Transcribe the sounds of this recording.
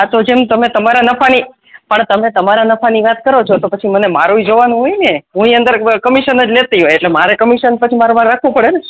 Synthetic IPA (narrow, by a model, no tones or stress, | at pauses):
at̪od͡ʒemt̪əmet̪əmaɾanəfʰani | pəɳt̪əmet̪əmaɾanəfʰaniʋat̪kəɾot͡ʃʰot̪opət͡ʃʰimənema̰ɾuid͡ʒoʋanũɦojneɦũiənd̪əɾkəmiʃənəd͡ʒlet̪iɦojeʈlemaɾekəmiʃənpət͡ʃʰimaɾomãɾɾakʰʋũpəɽene